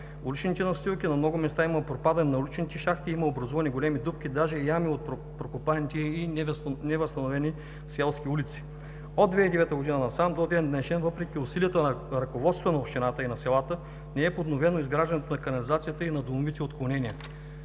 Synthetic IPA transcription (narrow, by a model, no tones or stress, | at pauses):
ʊlit͡ʃnit̪ɛnɐst̪ilˠk̟ʲinɐmnɔɡʊmɛst̪aiməpɾopad̪ɐninɐulit͡ʃnit̪ɛʃaxt̪iiməobɾɐzuvɐniɡolɛmid̪upkʲid̪aʒɛjamiot̪̚ | pɾokopant̪iinɛvɐst̪ɐnovɛni | sɛlˠskʲiulʲit̪si̥ | od̪vɛid̪ɛvɛt̪əɡod̪inənɐsamd̪od̪ɛnd̪nɛʃɛnvɤpɾɛk̟ʲiʊsiliət̪əɾɐkovɔt̪st̪vənɐopʃt̪ʲinat̪əinɐsɛlˠat̪ə | nɛɛpod̪novɛnoizɡɾaʒd̪ɐnɛt̪onɐkɐnɐlizat̪sijət̪əinɐd̪omovit̪ɛot̪klˠonɛnʲiə